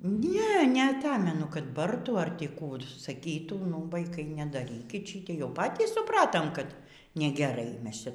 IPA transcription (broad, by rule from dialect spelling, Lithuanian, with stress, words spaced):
ˈnʲɛ nʲɛɐˈtɑːmʲɛnʊ kɐt ˈbɐrtuː ɐr ˈtʲiː ˈkuː sɐˈkʲiːtuː nʊ ʋɐɪˈkɐɪ nʲɛdɐˈrʲiːkʲɪt ˈʃʲiːtʲeːɪ jɛʊ ˈpɑːtʲiːs sʊˈprɑːtoːm kɐt nʲɛɡʲɛˈrɐɪ ˈmʲɛs ˈt͡ʃʲɛ